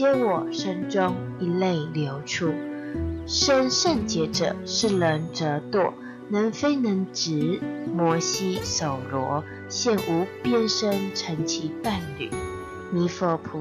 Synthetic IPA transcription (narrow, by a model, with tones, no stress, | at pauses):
ɛ˥wɔ˨˩ʂə˥nʈ͡ʂʊ˥ŋ | i˧˥le˥˩ɪljo˧˥ʊʈ͡ʂʰu˥ | ʂə˥nʂə˥˩nt͡ɕjɛ˧˥ʈ͡ʂɤ̰˨˩˦ʂɻ̩˥˩lə˧˥˦nʈ͡ʂə˧˥t̪wɔ˥˩ | nə˧˥nfe˥ɪnə˧˥ŋʈ͡ʂɻ̩˧˥mwɔ˧˥ɕi˥so˨˩ʊlwɔ˧˥ | ɕjɛ˥˩nʔu˧˥pjɛ˥˧nʂə˥nʈ͡ʂʰə˧˥ŋt͡ɕʰi˧˥pa˥˩nly̰˨˩˦ | mi˧˥fə˧˥pʰu˧˦